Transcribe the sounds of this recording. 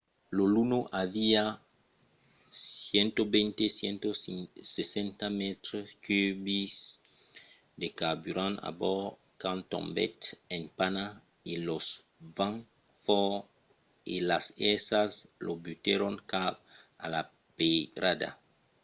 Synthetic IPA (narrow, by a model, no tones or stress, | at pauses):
lolunoʔavia | jent̪obent̪esjent̪osisesẽnt̪amet̪ɾoskybis | d̪ekabyɾãna̰bɔ | kãnt̪o̰mbet̪ẽnpana | ilos | vãŋ | fɔ | ḭlasesaslʔobyt̪eɾoŋkap̚a̰la | pedɾad̪a̰